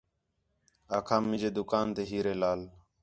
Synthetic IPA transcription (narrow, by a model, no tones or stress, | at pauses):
aːkʰãːmɪ̃d͡ʒeːd̪ʊkaːnt̪eːɦiːɾeːlaːl